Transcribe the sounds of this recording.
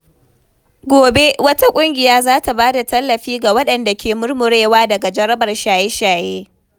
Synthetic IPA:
ɡʷoː˨be˦wɐ˦ta˦kʷʼʊ˦ŋɡʲɪ˨jaː˦zaː˦ta˨baː˦da˨tɐ˦lːɐ˨ɸiː˦ɡa˨wɐ˦ɗɐ˨nda˨kʲʰeː˨mʊ˦rmʊ˨ɽeː˦waː˦dɐ˨ɡa˨d͡ʒɐ˦ɾɐ˦bɐ˨rʃaː˨je˦ʃaː˨jeː˦

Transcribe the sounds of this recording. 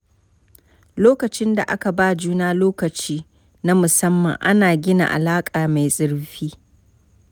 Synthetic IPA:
loː˦kɐ˨t͡ʃɪ˦nda̰˨ʔa̰˦ka˨baː˦d͡ʒuː˦naː˦loː˦kɐ˨t͡ʃiː˦ | na˦mʊ˨sɐ˦mːɐ̰˨ŋʔa˦naː˨ɡʲɪ˦na̰˨ʔa̰˨laː˦kʼaː˨ma˨jsʼɪ˦ɽɸiː˦

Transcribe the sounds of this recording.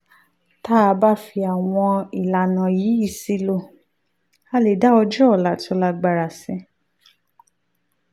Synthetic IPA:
ta˦˧ba˦fi˧a˨w̃ɔ̃˧i˨la˨nã˨jiː˨˦i˦˨si˧lo˦˨ | a˦le˨da˨˦ɔ˧d͡ʒɔ˦ɔ˨la˨tɔ˧la˧ɡ͡ba˧ɾa˨sɛ̃˧˦

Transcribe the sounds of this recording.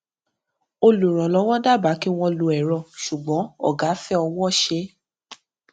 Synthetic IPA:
o˧lu˨ɾ̃ɔ̃˨lɔ˨˦w̃ɔ̃˦da˦˨ba˨˦ki˦w̃ɔ̃˧lu˧ɛ˨ɾɔ˧˨ʃu˨ɡ͡bɔ̃˨˦ɔ̰˦˨ɡa˨˦fɛ˦ɔ˧w̃ɔ̃˦˨ʃe˧˦

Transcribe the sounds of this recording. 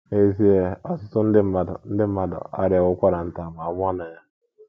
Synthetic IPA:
e˦zi˦e˦ɔ˦sʊ˦tʊ˦n̩˦dɪ˦m̩˦ma˨dɔ̰˨n̩˦dɪ˦m̩˦ma˦dɔ̰˨a̰˦ɾɪ˨˦a˨ʊ˦kʷa˦ɾa˨n̩˦˨ta˨ma˨˦mʷ˦ɔ˦na˨ja˦

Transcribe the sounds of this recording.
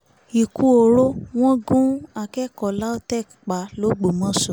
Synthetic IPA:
i˨ku˧o˨ɾo˦w̃ɔ̃˦ɡũ˦a˧kɛ˦kɔ˨la˦o˦tɛ˦˨kk͡pa˨˦lo˨˦ɡ͡bo˨mɔ̃˦sɔ˨

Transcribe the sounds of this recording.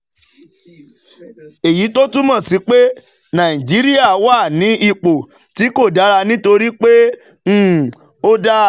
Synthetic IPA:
e˨ji˨˦to˦tũ˦mɔ̃˦˨si˨˧˦k͡pe˦ | nã˨ĩ˨d͡ʒi˨˦ɾi˦a˦˨wa˦˨nĩ˨˦ʔi˦˧k͡po˨ | ti˨˦ko˦˨da˨˦ɾa˧nĩ˦to˧ɾi˦k͡pẽ˦ | o˦da˦

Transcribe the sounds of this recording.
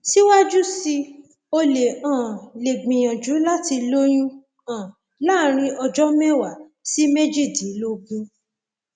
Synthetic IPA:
si˦wa˦d͡ʒu˦si˧ | o˧le˨ã˨le˨ɡ͡bĩ˨j̃ã˨d͡ʒu˨˦la˦ti˧lo˦j̃ũ˦ | ã˨ | la˦ɾ̃ĩ˧ʔɔ˧d͡ʒɔ˦mɛ˦wa˦˨ | si˦me˦d͡ʒi˦˨di˨˦lo˧ɡũ˦

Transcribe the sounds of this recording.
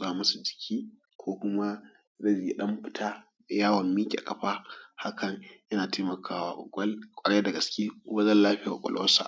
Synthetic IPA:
zaː˦˨mɐ˦su˨d͡ʒɪ˨kʲʰiː˦ | kʷoː˦kʷʊ˦ma˦ | dɐ˦d͡ʒi˨ji˦ɗɐ˦mɸɪ˦tʰaː˦˨ | jaː˦wɐ˨mːiː˦kʲːkʼɐ˨ɸa˦ha˦kɐ˨ŋjɐ˦naː˨tʰeː˦mɐ˨kʰaː˦waː˨ʔʼɔ̰˨kʷʼɔ˦lkʷʼɐ˨ɽe˦dɐ˨ɡɐ˨skʲeː˦wɐ˦zɐ˦nlaː˦ɸɪ˦ja̰ː˨kʷʼɔ̰˨lɔ˦sa̰˨

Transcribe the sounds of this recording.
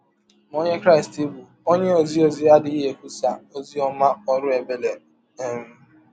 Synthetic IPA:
m˨o˦ɲe˦kɾa˦i˨sti˦bu˨ | o˦ɲe˦o˨zi˦o˨zi˦a˦di˦i˦ɦe˨kʷu˦sa˨o˦zi˦ɔ˦ma˦ɔ˦ɾʊ˦e˨be˦le˨ | e˦m̩˦

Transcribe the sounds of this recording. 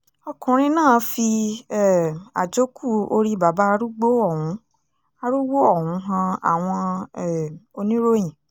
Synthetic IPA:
ɔ˧kũ˨ɾ̃ĩ˧nãː˦˨fi˧ɛ˨a̰˨d͡ʒo˦kʰu˦˨o̰˧ɾi˧ba˨ba˨˦a˧ɾu˦ɡ͡bo˦ɔ˦˨ũ˨˦ | a˧ɾu˦ɡ͡bo˦ɔ˦˨hũ˨˦ɦã˧a̰˨w̃ɔ̃˧ɛ˨o˧nĩ˦ɾo˦j̃ĩ˨

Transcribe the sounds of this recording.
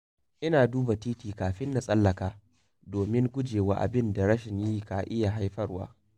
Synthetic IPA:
ʔɪ˦naː˨duː˦ba˨tiː˦tiː˨kaː˨ɸɪ˦nːa˨sʼɐ˦lːɐ˨kaː˦ | doː˨mɪ˦ŋɡʷʊ˦d͡ʒeː˨wa̰ː˦ʔa̰˨bɪ˦nda˨ɾɐ˦ʃɪ˨ɲjiː˦kaː˨ʔɪ˦ja˨ɦa˦jɸɐ˦rwa̰ː˦

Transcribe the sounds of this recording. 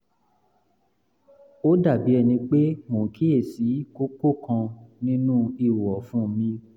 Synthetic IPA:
o˦da˦˨bi˨˦ɛ˧nĩ˧k͡pe˦mõ˨kʰi˦e˦˨si˨˦ko˦ko˦˨kã˧nĩ˦nũ˦i˦˨wɔ˨fũ˦˨˦mĩ˧

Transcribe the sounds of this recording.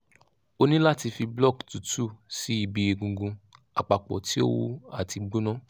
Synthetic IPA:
o˧nĩ˦la˦˨ti˧fi˧blɔ˦˨ktu˨tu˦˨si˨˦i˦˨bi˧˦e˧ɡũ˧ɡũ˧ | a˨k͡pa˨k͡pɔ̰˨ti˨˦o̰˦wo˧a̰˨ti˧ɡ͡bũ˦nã˦

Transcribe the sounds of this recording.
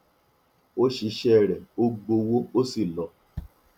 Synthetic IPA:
o˦ʃi˨˧˦ʃɛ˦˨ɾɛ˨o˦ɡ͡bo˧wo˦o˦si˦˨lɔ˨

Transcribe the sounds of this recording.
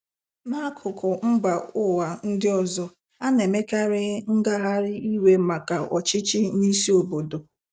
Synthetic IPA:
ma˦kʰʊ˨kʰʊ˨m̩˦ɡ͡ba˨ʊ˦wa˨n̩˦dɪ˦ɔ˨zɔ˦ | a˦ne˨me˦ka˦ɾɪ˦ŋ̩˦ɡa˦ɦa˦ɾɪ˦i˦we˦ma˨ka˨ɔ̰˨t͡ʃɪ˦t͡ʃɪ˦ni˦si˦o˨bo˨do˨

